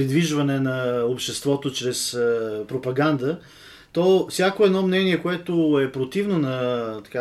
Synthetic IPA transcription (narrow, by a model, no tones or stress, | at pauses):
ɾid̪viʒvɐnɛnɐopʃt̪ɛst̪vɔt̪ot͡ʃɾɛspɾopɐɡand̪ə | t̪ɔfsʲjakoɛd̪nɔmnɛniɛkoɛt̪oɛpɾot̪ivnonɐt̪ɐ̥ka